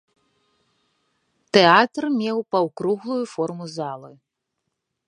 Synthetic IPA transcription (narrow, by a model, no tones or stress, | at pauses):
t̪ɛat̪rmʲɛwpɐwkɾuɣlˠujufɔrmuzalˠɨ